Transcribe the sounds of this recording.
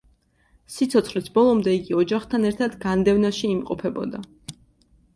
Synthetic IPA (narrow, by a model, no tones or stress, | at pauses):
sit̪sʰɔt̪sχlisbɔlˠɔmd̪ɛiɡiɔd͡ʒaχt̪ʰanɛɾt̪ʰad̪ɡand̪ɛvnaʃiːmqʼɔpʰɛbɔ̰d̪a